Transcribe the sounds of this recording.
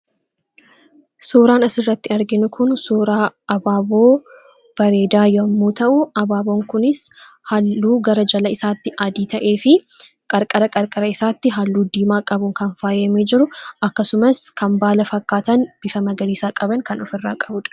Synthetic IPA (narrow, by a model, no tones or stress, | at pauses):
soːɾaːnɐsɪrːɐt̪ːɪɐɾɡɪnʊkʰʊnsoːɾaːɐbaːboː | b̥ɐɾeːd̪aːjɔɐmːuːt̪ɐʔʊɐbaːboːŋkʊnɪs | hɐlːuːɡɐɾɐd͡ʒɐlɐɪsaːt̪ːɪʔɐd̪iːt̪ɐʔe̞ːfɪ | kʼɐɾkʼɐɾɐkʼɐɾkʼɐɾɐɪsaːt̪ːɪɦɐlːuːd̪iːmaːkʼɐbʊŋkɐnfaːjɐmeːd͡ʒɪɾʊɐkːɐsʊmɐskʰɐmbaːlɐfɐkːaːt̪ɐnb̥ɪfɐmɐɡɐɾiːsaːkʼɐbɐŋkɐnɔfɪrːa̰ːkʼɐbʊᶑɐ̥